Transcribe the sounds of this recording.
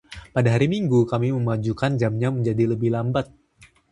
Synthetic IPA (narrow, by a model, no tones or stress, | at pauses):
padaɦaɾimiŋɡukamiməmad͡ʒukand͡ʒamɲaməɲd͡ʒadiləbɪhlambat̪̚